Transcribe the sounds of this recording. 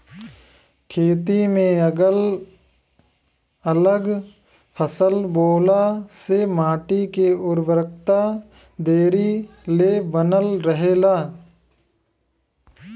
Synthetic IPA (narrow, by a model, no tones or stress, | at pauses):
kʰeːt̪imẽɡəl | ələɡ | pʰəsəlboːlasemaːʈikeʊɾbɾəkt̪a | d̪eːɾileːbənəlɾəɦeːlaː